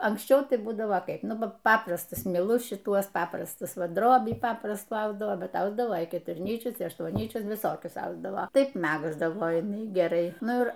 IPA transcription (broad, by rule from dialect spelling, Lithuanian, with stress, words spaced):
ɐŋksʲˈt͡ʃʲɛʊ ˈtɐɪ ˈbuːdɐʋoː ˈkɐɪp ˈnʊ ˈpɐp ˈpɑːprɐstʊs mʲɪˈlˠʊs ʃʲɪˈtuɔs ˈpɑːprɐstʊs ˈʋɐ ˈdroːbʲiː ˈpɑːprɐstuː ˈɐʊzdɐʋoː ˈbʲɛt ˈɐʊzdɐʋoː kʲɛtʊrʲˈnʲiːt͡ʃʲʊs ɪ ɐʃtuɔnʲˈnʲiːt͡ʃʲʊs ʋʲɪˈsoːkʲʊs ˈɐʊzdɐʋoː ˈtɐɪp ˈmʲæɡzdɐʋoː jɪˈnɐɪ ɡʲɛˈrɐɪ ˈnʊ ˈɪr